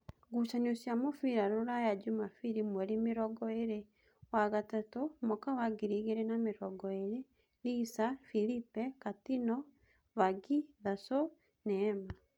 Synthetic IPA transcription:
ɡut͡ʃaniosjamofiɾaɾoɾajad͡ʒumafiɾimwɛɾimeɾɔɡɔeɾe | waɣatatomokawaɡiɾiɣeɾenameɾɔɡɔeɾe | lisafilipɛkatinɔ | βaɡiðaso | nɛːma

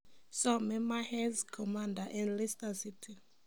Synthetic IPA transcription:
sɔmɛmahɛzkʰɔmãndaʔɛ̃nlistasitʰi

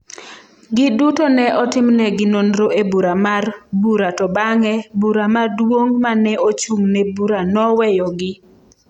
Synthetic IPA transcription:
ɡɪdutonɛʔɔtɪmnɛɡɪnonɾoʔebuɾamarbuɾatɔbaŋɛbuɾamadwoŋmanɛot͡ʃuŋnɛbuɾanɔwɛjɔɡɪ

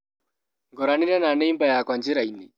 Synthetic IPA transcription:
ŋɡɔɾaniɾɛnanɛimbajakwaɲd͡ʒiɾaini

